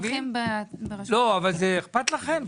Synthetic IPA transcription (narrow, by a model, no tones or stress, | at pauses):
ɡi | blo̞avalzeːχpat̪laχe̞m